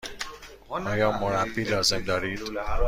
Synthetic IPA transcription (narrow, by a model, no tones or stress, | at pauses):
ɒːjɒːmoɾæbːiːlɒːze̞md̪ɒːɾiːd̪̥